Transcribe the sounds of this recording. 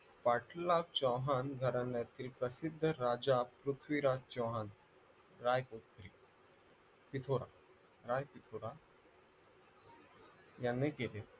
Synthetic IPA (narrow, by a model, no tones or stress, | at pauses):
paʈlawt͡ɕɔwɦanɡʱəɾanːjat̪ilpɾəsid̪ʱːəɾad͡ʑapɾut̪ʰʋiɾat͡ɕɔwɦan | ɾajkot̪ʰɾiː | pit̪ʰoɾa̰ | ɾajpit̪ʰoɾa | janːekele